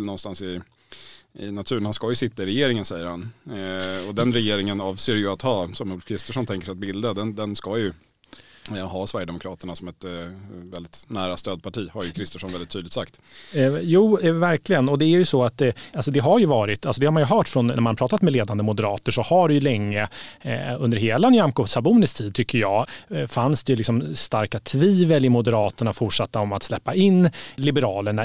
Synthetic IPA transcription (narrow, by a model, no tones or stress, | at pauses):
lnɔnːst̪ansɪ | ɪnat̪ʰʉɾnhanskajɵsɪt̪ːaɪɾɛjeːɾɪŋənsɛjːəɾhan | ɔd̪ɛnɾɛjeːɾɪŋənɑːvseːɾjɵat̪hɑːsɔmuːlfkʰɾɪst̪əʂɔnt̪ʰɛŋkəʂɛɪat̪bɪld̪ad̪ɛnd̪ɛnskajɵ | ɦɑsvæɾjəd̪ɛmʊkʰɾɑːt̪əɳasɔmɛt̪vɛlɪt̪næːɾast̪øːd̪̚pʰaʈʰiːhaɾjɵkʰɾɪst̪əʂɔnvɛlɪt̪ʰːyːd̪lɪt̪sakt̪ | juːvæɾklɪɡənɔd̪ɛæɾjɵsɔat̪alsɔd̪ɛɦaɾjɵvɑːɾɪt̪alsɔd̪ɛhamanjɵɦœːʈfɾɔnːæ̰ɾmanpʰɾɑːt̪at̪mɛleːd̪and̪əmʊd̪əɾɑːt̪əʂɔhaɖɛjɵlɛŋːə | ɵnd̪əɾheːlaɛnjamkosabuːnɪsk̚t̪ʰiːd̪̚t̪ʰʏkʰːəjɑːfansd̪ɛjɵlɪksɔmst̪aɾkat̪ʰviːvəlɪmʊd̪əɾɑːt̪əɳafʊʈʂat̪ːaɔmat̪slɛpːaɪnːlɪbəɾɑːləɳa